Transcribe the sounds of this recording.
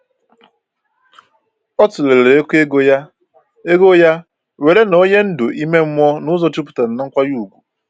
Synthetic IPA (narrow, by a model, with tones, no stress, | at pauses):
ɔ˦tʊ˨le˨ɾe˨ɾe˦kʷe˦ɡo˦ja˦ | e˦ɡo˦ja˦ | we˨ɾe˦no˦ɲe˦n̩˦dʊ˨i˦me˦m̩˦mɔ˦nʊ˦zɔ˦t͡ʃi˦pʊ̥˨ta˨ɾa˨na˦ŋ̩˦kʷa˦ju˦˨ɡʷu˨